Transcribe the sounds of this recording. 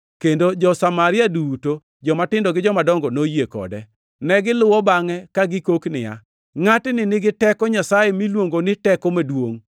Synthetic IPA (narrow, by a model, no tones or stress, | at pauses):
kendod͡ʒɔsamaɾɪaduto | d͡ʒɔmatɪndɔɡɪd͡ʒɔmadɔŋɡɔnojekɔ̰dɛ̰ | nɛɡɪlʊwɔbaŋɛkaɡɪkoknɪja̰ | ŋatnɪnɪɡɪtɛkɔɲasajemilwoŋɡonɪtɛkɔmedwoŋ